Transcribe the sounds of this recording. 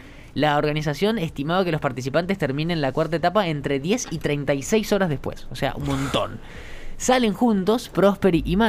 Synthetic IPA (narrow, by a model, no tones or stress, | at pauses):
laoɾɣanis̬asjo̞nest̪imaβake̞lospaɾt̪is̬ipant̪est̪eɾmĩnẽnlakwaɾt̪aet̪apae̞nt̪ɾe̞ðje̞sit̪ɾejnt̪ajsejso̞ɾazð̞e̞spwḛsosea̰ʔṵnmõnt̪o̞̰n | sale̞ŋxunt̪o̞spɾospeɾiʔima